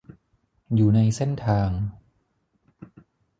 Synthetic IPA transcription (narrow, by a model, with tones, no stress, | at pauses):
juː˨˩na˧jse˥˩nt̪ʰaː˧ŋ